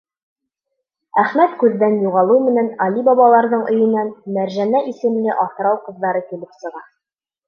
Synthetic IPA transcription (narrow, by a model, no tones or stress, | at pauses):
æχmæt̪kʉðːænjuʁɑlˠɤwmɘ̆nænɑlʲibɑβɑlˠɑɾðɤɴʔɵ̆jɤ̆nænmæɾʒænæʔisɘ̆mlɘʔɑθɾɑwqɤ̆ðːɑɾɤkilɘpsɤ̆ʁɑ